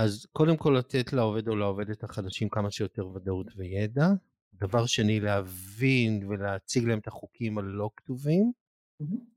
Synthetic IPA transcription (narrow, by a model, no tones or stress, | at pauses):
azko̞de̞mko̞lːatetlaove̞do̞laove̞dethaχadaʃimkamaʃejo̞te̞ʁvadautvejeda | davaʁʃeanileavinveleat͡siɡlae̞metaχukʰimalːo̞ktuvim̩